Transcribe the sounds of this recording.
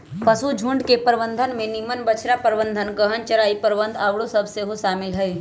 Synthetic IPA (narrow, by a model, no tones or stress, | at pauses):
pɐsud͡ʒʱũɳɖkepəɾbə̃nd̪ʱənmẽnɪmənbət͡ʃʰɾapəɾbə̃nd̪ʱənkəɦənt͡ʃɐɾaːipəɾbə̃nd̪ʱaʋɽosɐbseɦoʃaːmɪlɦɛi